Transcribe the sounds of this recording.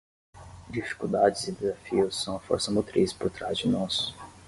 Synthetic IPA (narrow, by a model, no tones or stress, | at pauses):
d͡ʒifi̥kuwd̪ad͡ʒɪzɪd̪ezafiʊsːɐ̃w̃ɐfo̰ɾsɐmot̪ɾispoɾt̪ɾazd͡ʒɪnɔsʊ̥